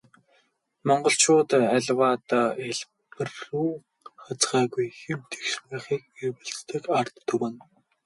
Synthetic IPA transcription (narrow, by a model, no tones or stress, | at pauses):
mɔɴɢɞ̆ɬt͡ɕʊːt̪æɮwaːt̪aːeɮ | pɘ̆rːuː | χat͡sɢæːɣujxemt̪ʰe̥xʃmăːχiːk̚erwɘ̆ɮt͡st̪ɘ̆kart̪ʰːɵwɘ̆n